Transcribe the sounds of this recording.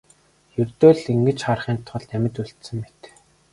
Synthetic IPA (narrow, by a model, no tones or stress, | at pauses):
jɵrt̪oːɮiŋɡɘ̆t͡ɕχarχiːnt̪ʰːʊ̆ɮnæmʲɪ̆t̪uɬt̪sɘ̆mːet̪